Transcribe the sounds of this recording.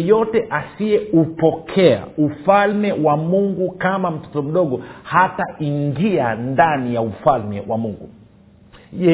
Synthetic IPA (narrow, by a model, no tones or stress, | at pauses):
jɔtɛʔasiɛupɔkʰɛa̰ufalmɛwamuŋɡukamam̩tɔ̥tɔm̩ɗɔɠɔhataiŋɡiandanijaufalmɛwamuŋɡu | ɛ